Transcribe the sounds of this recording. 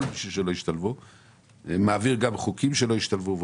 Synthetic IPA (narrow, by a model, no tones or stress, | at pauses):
lbiʃuʃelo̞jiʃt̪alvu | maːviʁɡamχukimʃelo̞iʃt̪alvuv